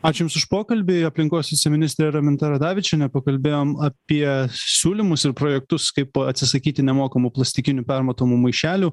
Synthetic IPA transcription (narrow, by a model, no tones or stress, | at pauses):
ɑːt͡ʃʲʊjʊmsʊʃpoːkɐlʲbʲɪɐpʲlʲɪŋkoːsʋʲɪt͡ssʲɛmʲɪnʲɪsʲt̪ʲɾʲeɾɐmʲɪnt̪ɐɾɐd̪ɑːʋʲɪt͡ʃʲɛnʲɛpɐkɐlʲbʲeːjoːmɐpʲiɛsʲuːlʲɪmʊsɪɾpɾoːjɛkt̪ʊskɐɪpɐt̪ʲsʲɪsɐkʲiːt̪ʲɪnʲɛmoːkɐmuplˠɐsʲt̪ʲɪkʲɪnʲuːpʲæɾmɐt̪oːmumɐɪʃʲæːlʲuː